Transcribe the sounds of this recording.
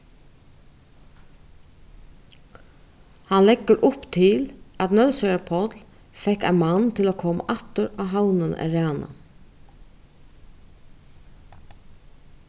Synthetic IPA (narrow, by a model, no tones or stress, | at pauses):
hɑnlɛɡəɾʔʊpt̪ʰɪlɑt̪nœlsœəpʰɔt̪l | fɛkæ̰ɪnmɑnt̪ʰɪloːkʰɔm̰ʔɑt̪əɹɑːɦaʊnənæ̰ɹɑːnə̰